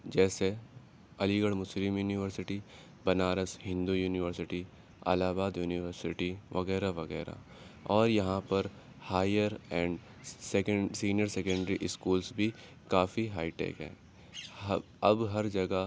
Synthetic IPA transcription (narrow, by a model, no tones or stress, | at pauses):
d͡ʒɛːse | ɐliɡəɽmʊslɪmjuːniʋəɾsɪʈi | bɐnaːɾəsɦɪ̃nd̪ujuːnɪʋəɾsɪʈi | a̰laːbaːd̪juːnɪʋəɾsɪʈiʋɐɣɛːɾaʋɐɣɛ̰ːɾa̰ | ɔːɾjɐɦãpɐɾ | haːjəɾɛ̃ːɳɖ | seksiːnjəɾseːkə̃ɳɖəɾiʔɪskuːlsbʱi | kaːfiɦaːɪʈḛːkɦɛ̰̃ː | ɐbɦɐɾd͡ʒɐɡa